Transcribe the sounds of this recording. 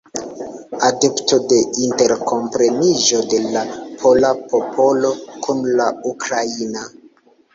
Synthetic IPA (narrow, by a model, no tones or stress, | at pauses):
adepto̞de̞inte̞ɾko̞mpɾe̞miʒo̞de̞lapʰo̞lapo̞pʰo̞lo̞kʰunlaukɾaina